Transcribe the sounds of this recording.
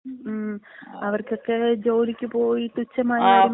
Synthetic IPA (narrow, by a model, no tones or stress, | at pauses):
ɐʋɐrkjo̞kːe̞d͡ʑo̞ːlikʲːɨpoːjit̪ut͡ɕːɐmajɐ